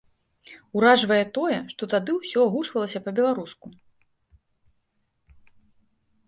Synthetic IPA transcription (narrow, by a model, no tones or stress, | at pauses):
uɾaʐvɐjɛt̪ɔjɛʂt̪ɔt̪ad̪ɨwsʲɔaɣut͡ʂvɐlˠɐsʲɐpɐbʲɛlˠaɾusku